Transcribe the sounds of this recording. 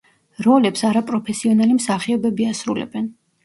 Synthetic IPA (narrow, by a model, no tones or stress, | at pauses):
ɾɔlɛpsaɾapʼɾɔpʰɛsiɔnalimsaχiɔbɛbiasɾulɛ̰bɛn